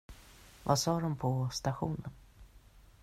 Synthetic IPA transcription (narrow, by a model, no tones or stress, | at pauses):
va̰sɑːd̪ɔmpʰɔst̪aɧuːnən